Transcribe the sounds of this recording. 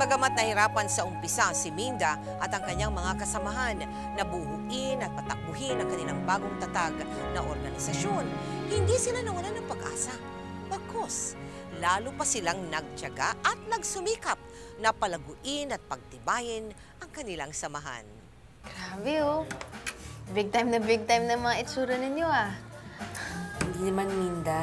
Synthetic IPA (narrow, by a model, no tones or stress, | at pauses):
kɐɡɐmat̪̚nɐhɪɾaːpɐnsɐʔʊmpɪsaʔɐŋsɪmind̪a | ʔɐt̪ɐŋkɐɲaŋmɐŋakɐsɐmaɦanː | ɐbuhʊʔɪnɐt̪̚pɐt̪ɐk̚bʊɦɪnɐŋkɐnɪlaŋbaːɡoŋt̪ɐt̪aɡnɐʔoɾɡɐnɪsɐʃo̞nhɪnd̪isɪlanɐwɐlanɐŋpɐɡʔa̰ːsɐ | bɐkʰoslaːlʊpɐsɪlaŋnɐɡ̚t͡ʃɐɡa̰ʔɐt̪̚nɐɡ̚sʊmiːkap̚nɐpɐlɐɡʊʔɪnɐt̪̚pɐɡ̚d̪ɪbaːjɪn | ʔɐŋkɐnɪlaŋsɐmɐɦa̰n | ɡ̥ɾaːbɛo | bɪɡ̚t̪ajmnɐbɪɡ̚t̪ajmnɐŋmɐŋaɪtt͡ʃuːɾɐnɪnjoa | hɪnd̪inɐmanmind̪a